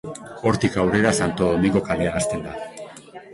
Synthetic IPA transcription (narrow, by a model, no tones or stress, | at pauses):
o̞ɾt̪ikawre̞ɾasant̪o̞ðo̞miŋɡo̞kale̞aːst̪e̞nd̪a